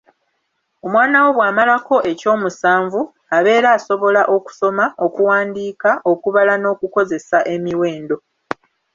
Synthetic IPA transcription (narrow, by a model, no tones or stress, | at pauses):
omwaːnawo̞βwaːmalako̞ʔe̞co̞ːmusaːɱvu | aβe̞ːɾaːso̞βo̞laʔo̞ku̥so̞mao̞kuwaːndiːkaʔo̞kuβalano̞ːkuko̞ze̞saʔe̞miwe̞ːndo̞